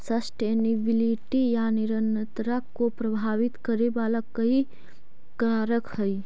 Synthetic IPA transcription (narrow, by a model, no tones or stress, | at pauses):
səsʈeːnɪbɪliʈijanɪɾənt̪ɾakopɾɐbʱaːʋɪt̪kəɾebaːlakɐɦi | kaːɾəkhɐi